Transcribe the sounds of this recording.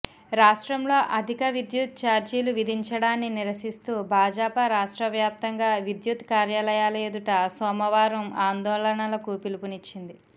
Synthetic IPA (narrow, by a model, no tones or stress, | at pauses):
ɾaːʂʈɾɐmlo̞ːʔɐd̪ʱikɐʋid̪jut̪̚t͡ʃaːɾd͡ʒiːluʋid̪ʱiɲt͡ʃɐɽaːnːiniɾɐsist̪uːbʱaːd͡ʒaːpɐɾaːʂʈɾɐʋjaːp̚t̪ɐŋɡaːʋid̪jut̪kaːɾjaːlɐjaːlɐjed̪uʈɐsɔːmɐʋaːɾɐmaːnd̪ɔːɭɐɐɳɐlɐkupilupunit͡ʃːind̪i